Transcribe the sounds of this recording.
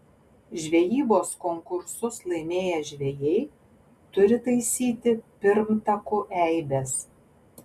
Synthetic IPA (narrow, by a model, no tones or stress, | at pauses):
ʒʲʋʲɛjiːboːskɔŋkʊɾsʊslˠɐɪmʲeːjɛʒʲʋʲɛjɛɪ | t̪ʊɾʲɪt̪ɐɪsʲiːt̪ʲɪpʲɪɾmt̪ɐkʊʔɛɪbʲɛs